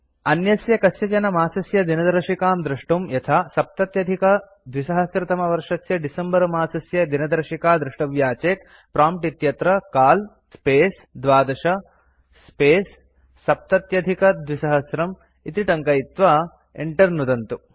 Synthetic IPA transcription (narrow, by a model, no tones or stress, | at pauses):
ɐnjɐsjɐkɐsjɐt͡ʃɐnɐmaːsɐsjɐd̪inɐd̪ɐɾʂikaːmd̪ɾuʂʈumjɐt̪ʰaːsɐp̚t̪ɐt̪jɐd̪ʱikɐ | d̪ʋisɐɦɐsɾɐt̪ɐmɐʋɐɾʂɐsjɐɖisɐmbɐɾmaːsɐsjɐd̪inɐd̪ɐɾʂikaːd̪ɾuʂʈɐʋjaːt͡ʃeːt̪ | pɾaːmpʈit̪jɐt̪ɾɐkaːl | speːs | d̪ʋaːd̪ɐʂɐ | speːsː | ɐp̚t̪ɐt̪jɐd̪ʱikɐd̪ʱʋisɐɦɐsɾɐm | it̪iʈɐŋkɐjit̪ʋaː | ḛɳʈɐɾnud̪ɐnt̪u